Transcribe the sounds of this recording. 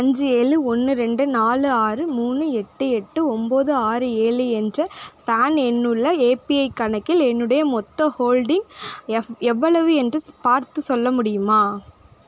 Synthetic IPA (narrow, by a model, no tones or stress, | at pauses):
ɐɲd͡ʒɯeːɭɯɔnːɯɾɛɳɖɯnaːlɯaːɾɯmuːnːɯɛʈːɯɛʈːɯɔmboːðɯaːɾɯeːɭɯɛndrɐpɾaːnɛnːɯɭːɐeːpiɐɪkɐɳɐkːɪlɛnːɯɽɐjɐmɔt̪ːɐhoːlɖɪŋ | ɛʋːɐɭɐʋɯɛndrɯpaːɾt̪ɯsɔlːɐmʊɽɪjɯmaː